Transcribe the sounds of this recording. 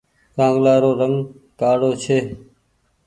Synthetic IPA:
kãːŋɡlaːɾoːɾəŋɡ | kaːɽoːt͡ʃʰeː

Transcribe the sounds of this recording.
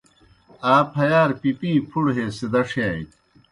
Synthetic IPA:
aːpʰɐjaːɾpipĩːpʰuɽɦeːsed̪ɐʂjaːj̰

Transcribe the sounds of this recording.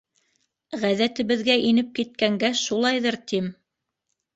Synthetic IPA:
ʁæðæt̪ɘ̆βɘ̆ðɡæʔinɘp̚kit̪̚kæŋɡæʃulˠɑjðɤɾt̪im

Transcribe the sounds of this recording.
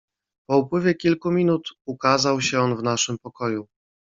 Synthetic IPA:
pɔupwɘvʲjɛkʲilkumʲinut̪ukazawɕɛɔnvnaʂɘmpɔkɔju

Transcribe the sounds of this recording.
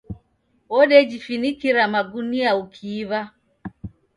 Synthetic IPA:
ɔɗɛd͡ʒifinikiɾamaɡuniaukʰiːβa

